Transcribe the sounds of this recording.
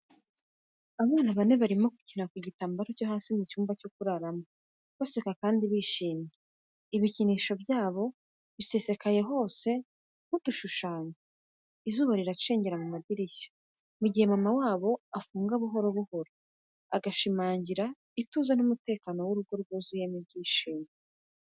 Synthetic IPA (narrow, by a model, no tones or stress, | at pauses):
aβaːnaβane̞βaɾimo̞ku̥cinakuɟitaːmbaɾocoɦaːsimucuːmbaco̞kuɾaɾamo | βase̞kakaːndiβiʃiːmɲje | iβiciniːʃo̞bjaːβo̞ | βise̞se̞kaje̞ɦo̞ːse̞ | m̥uduʃuʃaːɲe | izuːβaɾiɾaʃe̞ːɲɟe̞ɾamumadiɾiçḁ | muɟihemamawaːβo̞afuːŋɡaβuɦo̞ɾo̞βuho̞ɾo | aɡaʃimaːɲɟiɾa | ituːzanumute̞ːkano̞wuɾuɡoɾuɡozijemiβɟiːʃiːmje